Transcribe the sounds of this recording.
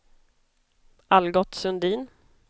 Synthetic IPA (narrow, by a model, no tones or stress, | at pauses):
alɡɔt̪sɵnd̪iːn